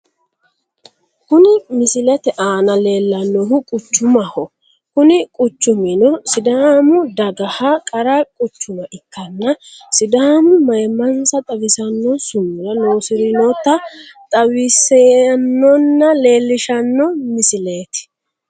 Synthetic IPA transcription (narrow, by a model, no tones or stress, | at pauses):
kʊnɪmɪsɪlɛt̪ɛʔaːnɐle̞ːlːɐnːɔɦʊkʼʊt͡ʃːʊmɐhɔ | kʊnɪkʼʊt͡ʃːʊmɪnɔsɪd̪amʊd̪ɐɡɐhɐkʼɐɾɐkʼʊt͡ʃːʊmɐʔɪkːɐnːɐsɪd̪aːmʊmɐjmːɐnsɐt̪ʼɐwɪsɐnːɔsʊmːʊlɐnoːsɪɾɪnɔt̪ːɐt̪ʼɐwɪsenːɔnːɐle̞ːlːɪʃɐnːɔmɪsɪleːt̪ɪ̥